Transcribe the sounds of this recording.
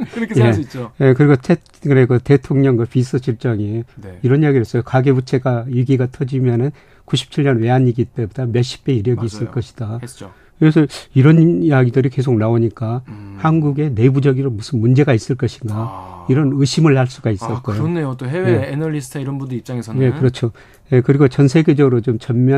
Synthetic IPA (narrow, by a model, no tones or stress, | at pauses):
kʰjeit͡ɕ͈oje̞kɯɾiɡot͡ɕʰe | ŋɾeɡote̞tʰoŋɲʌŋɡwapis͈ʰɯɕʰiɭt͡ɕ͈ʌŋeniɾʌnjaɡiɾes͈ʌjokaɡebut͡ɕʰe̞ɡaiɡiɡatʰʌd͡ʑimjʌnɯn | kuɕʰi̥p̚t͡ɕʰiɭɲʌnwe̞aɲiɡit͈ebodamjʌɕ͈ʰi̥p͈ʰe̞iɾjʌɡiːs͈ɯɭk͈ʌɕʰi̥d̥at͡ɕo | kes̬ʰʌiɾʌnjaɡidɯɾike̞s̬ʰok̚naoɲik͈ahanɡuɡe̞ne̞bud͡ʑʌɡiɾomusʰɯnmund͡ʑe̞ɡais͈ɯɭk͈ʌɕʰinɡaiɾʌnɯɕʰimɯɭhaɭs͈uɡais͈ʌk͈ojonejot̪oɦeweenʌʎisʰtʰaiɾʌnbundɯip̚t͡ɕ͈aŋesʰje̞kɯɾʌt͡ɕʰo | je̞kɯɾiɡot͡ɕʌnsʰe̞ɡe̞d͡ʑʌɡɯɾot͡ɕomt͡ɕʌnmjʌ